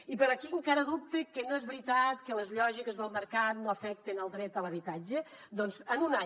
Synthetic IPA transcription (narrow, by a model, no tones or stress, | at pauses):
ipəɾɔkiəŋkaɾəðup̚t̪ekənoezβɾit̪at̪kələzʎɔʒikəzðəlˠməɾkanoəfɛk̚t̪enəlˠd̪ɾɛt̪ələβit̪ad͡ʒəd̪ɔnzənuna